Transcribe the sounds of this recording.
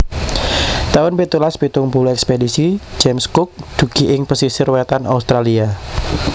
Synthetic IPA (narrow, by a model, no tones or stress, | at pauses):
t̪aʊnpit̪ulaspit̪ʊŋpuluɛkspedisi̥d͡ʒɛmskʊk̚d̪̥ṳɡ̥iʔɪŋpəsisɪrwɛt̪ana̰ust̪ɾalia